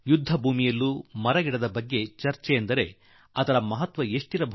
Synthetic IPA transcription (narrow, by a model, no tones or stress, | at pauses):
jud̪ʱːɐbʱuːmijɐlːumɐɾɐɡiɽɐd̪ɐbɐɡːe̞t͡ʃɐɾt͡ʃɛjend̪ɐɾe̞̰ | ɐt̪ɐɾɐmɐɦɐt̪ʋɐeʂʈiɾɐbʱ